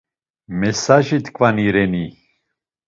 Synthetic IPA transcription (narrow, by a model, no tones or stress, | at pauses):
mɛsaʒit̪ʰkʼvaniɾɛni